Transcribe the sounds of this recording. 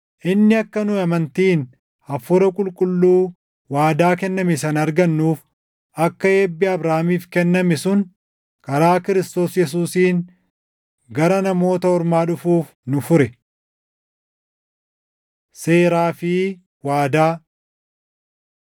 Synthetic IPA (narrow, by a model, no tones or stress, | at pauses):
ʔɪnːɪɐkːɐnʊɐmɐnt̪iːn | ɐfʊɾɐkʼʊlkʼʊlːuː | waːd̪aːk̬ɛnːɐmɪsɐnɐɾɡɐnːuːf | ʔɐkːɐeːbːɪɐbɾaːmiːfkɛnːɐmɛsʊn | kʼɐɾaːkɪɾɪst̪o̞ːsjɛs̬uːsiːn | ɡɐɾɐnɐmo̞ːt̪ɐɔɾmaːᶑʊfuːf | nʊfʊɾɛ | seːɾaːfɪ | waːd̪aː